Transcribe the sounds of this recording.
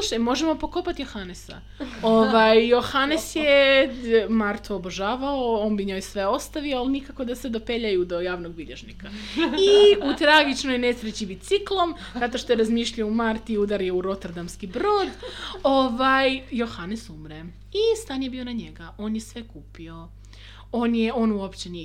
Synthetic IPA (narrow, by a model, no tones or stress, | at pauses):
luʃajmo̞ʒemo̞po̞ko̞pat̪ijo̞xanesa̰ | oʋajjo̞xanesje | maɾt̪oːboʒaːʋaoo̞ːnbiɲo̞jsʋe̞o̞st̪aʋioalˠinikako̞d̪ased̪ope̞ʎajud̪o̞jaːʋnoɡ̚biʎeʒnikaiut̪ɾaɡit͡ʃno̞jne̞sɾet͡ɕibit̪siklˠo̞m | zat̪o̞ʃt̪oeɾazmiʃʎaumaɾt̪iud̪aɾjeuɾo̞t̪eɾd̪amskibɾoːd̪oʋajjo̞xanesumɾe | ist̪anjebionaɲe̞ɡaʔo̞ːnjesʋe̞kuːpio̞ | oːnjeo̞ːnuopt͡ɕenij